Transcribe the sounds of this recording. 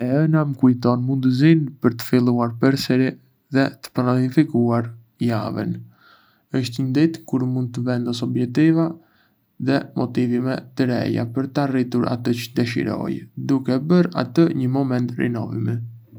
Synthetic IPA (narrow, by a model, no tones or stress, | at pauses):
ɛɛnaməkujt̪ɔnmund̪əzinpəɾt̪ə̥filˠuaɾpəɾsɛɾi | ðɛt̪ə̥paanifikuaɾ | ja̰və̰n | əʃt̪əɲənd̪it̪kuɾmund̪̚t̪ːəvɛnd̪ɔsɔbjɛk̚t̪iva | ðɛmɔt̪ivimɛt̪əɾɛ̰ja̰pəɾt̪arit̪uɾʔa̰t̪ət͡ʃəd̪ɛʃḭɾɔ̰jd̪ukɛbəɾa̰t̪əɲəmɔmɛnt̪rḭnɔ̰vḭmɛ